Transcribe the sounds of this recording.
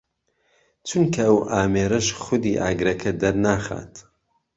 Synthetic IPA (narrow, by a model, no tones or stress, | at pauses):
t͡ʃʰunkʰɐɐwʔaːmeːɾɐʃχʊd̪iːʔa̰ːɡɾɐkʰɐd̪ɐɾnaːχa̰ːt̪ʰ